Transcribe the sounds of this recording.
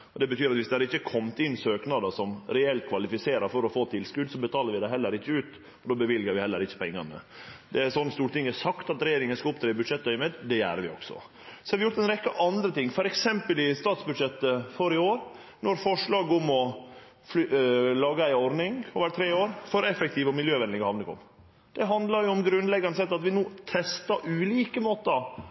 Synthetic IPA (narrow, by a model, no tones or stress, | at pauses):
ɔd̪ɛbət̪ʰyːɾɑt̪ʋɪsd̪ɛhɑɾɪçːəkʰɔmt̪ɪnsøːknɑd̪əʂɔmɾɛɛlt̪̚kʰʋɑlɪfɪseːɾɑɾfɔɾɔfoːt̪ʰɪlskʉd̪sɔbət̪ʰɑːləɾʋɪd̪æɦɛlːəɾɪçːəʉːt̪ | ɔd̪oːbəʋɪlɡəɾʋɪhɛlːəɾɪçːə̥pʰɛŋːɑnə̰d̪ɛæɾsɔnːst̪uːɾʈ̪ɪŋːæsɑkt̪ɑt̪ɾɛjeːɾɪŋənskɑʊp̚t̪ʰɾeːbʉd̪ʂɛt̪ːœʏmeːd̪d̪ɛjæːɾʋɪɔ̰ksɔ̰ | sɔ̥hɑɾʋɪjʊɾt̪ɛɪnɾɛkːəʔɑnd̪ɾət̪ɪŋːfɔɾɛksɛmpəlɪst̪ɑːt̪sbʉd̪ʂɛt̪ːəfɔɾɪoːɾ | nɔɾfɔʂɭɑːɡɔmɔ | fllɑːɡəæɪɔɾnɪŋɔʋæːɾt̪ʰɾeːoːɾfɔɾɛfɛk̚t̪ʰɪːʋɔmɪljøːʋɛnd̪ɪŋəhɑnləkɔ̰m | d̪̥ɛɦɑnd̪lɑɾjʊɔmɡɾʉnlɛɡːɑnəsɛt̪ːɑt̪ʋɪnuːt̪ʰɛst̪ɑʔʉːliːkəmoːt̪əɑ